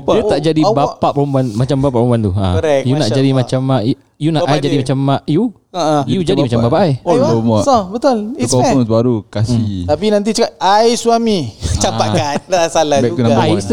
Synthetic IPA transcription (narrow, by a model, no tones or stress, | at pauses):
put̪aʔd͡ʒadibapaʔpəɾumbanmat͡ʃambapaʔpɾombant̪ua̰əɾɛk̚junaʔd͡ʒadimãt͡ʃamaj | junaʔʔajd͡ʒadimat͡ʃamːaju | ajud͡ʒadimat͡ʃabapaʔajoomɔɔbət̪ʊliɔɔŋsbaɾukasit̪apinãnt̪̬it͡ʃəkaajsuamit͡ʃapaʔandasalabɛk̚ut̪unaaj